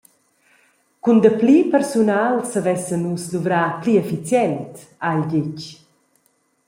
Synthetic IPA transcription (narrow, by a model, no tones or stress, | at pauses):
kund̪əplipɛɾsunaːlsavɛsənusluvɾaːpliɛfit͡sjɛnt | ajlɟɪc